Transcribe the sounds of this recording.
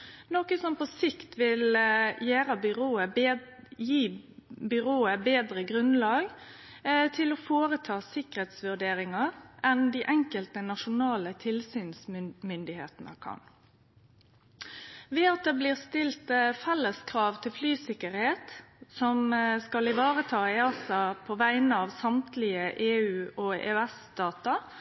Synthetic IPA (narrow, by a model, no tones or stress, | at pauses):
nɔkəsɔmpɔsɪkt̪ʋɪljæːɾəbʏʁoːə | jiːbʏɾoːəbeːd̪ʁəɡɾʉnlɑːɡ | t̪ʰɪlɔfoːɾət̪ʰɑːsɪkəɾheːt̪sʋʉɖ̪eːɾɪŋɑɾʔɛnd̪iːʔɛŋkəlt̪ənɑʂʊnɑːlət̪ʰɪlsyːnsmʏnd̪ɪhḛːt̪ənə̰kʰɑ̰n | ʋeːɑt̪̚d̪eːbliːʁst̪ɪlt̪fɛlːəskʰʁɑːʋt̪ʰɪlflyːsɪkəɾheːt̪sɔmskɑlɪʋɑːɾət̪ʰɑːɛɑsɑpʰɔʋæɪnəɑːʋsɑmt̪lɪəʔeːʉːʔoḛːøæsd̪̥ɑːt̪ɑ